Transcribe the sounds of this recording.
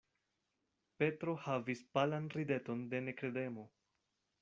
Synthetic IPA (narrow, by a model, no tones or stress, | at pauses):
pe̞tɾo̞havispalanɾide̞to̞nde̞ne̞kɾede̞mo̞